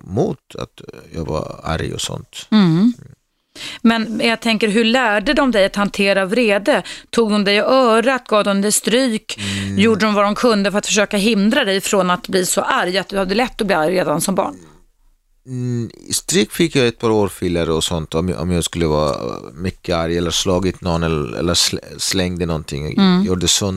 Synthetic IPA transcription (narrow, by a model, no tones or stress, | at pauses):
muːt̪a̰t̪jɑ̰ːɡva̰a̰ɾjɔ̰sɔ̰nt̪̩ | mɛnjɑːɡt̪ʰɛŋkəɾɦɵɭæːɖəd̪ɔmd̪ɛjat̪hant̪ʰeːɾavɾeːd̪ət̪ʰuːɡ̚d̪ɔmd̪ɛjɔœːɾaat̪̚ɡɑːvd̪ɔmd̪ɛst̪ɾyːkjuːɖəd̪ɔmvad̪ɔmkʰɵnd̪əfœɾat̪fœʂ̬øːkaɦɪnd̪ɾad̪ɛjfɾoːnat̪̚bliːsɔʔaɾjat̪̚d̪ɵhad̪ːəlɛt̪ːɔbliːaɾjɾeːd̪ansɔmbɑ̰ːɳ | ɪ̰st̪ɾyːkfɪkːjɑːɛt̪̚pʰɑːɾoːɾfɪlːaɾəɔsɔnt̪ɔmɔ̰mjɑːɡskɵlːəvɑ̰ːa̰mʏkːəaɾjɛlːəɾslɑːɡɪt̪nɔnːɛlɛ̰lːəsslɛŋd̪ənɔnt̪ʰɪ̰ŋ̰ːjuːɖəsɔn